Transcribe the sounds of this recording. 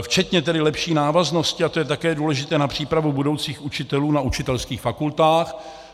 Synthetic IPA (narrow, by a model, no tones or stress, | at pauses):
ft͡ʃɛt̪ɲɛt̪ɛdɪlɛpʃiːnaːvazno̞scɪat̪ojɛt̪akɛːduːlɛʒɪt̪ɛːnapr̝̥iːpɾavubudo̞wt͡siːxut͡ʃɪt̪ɛluːnaut͡ʃɪt̪ɛlskiːxfakult̪aːx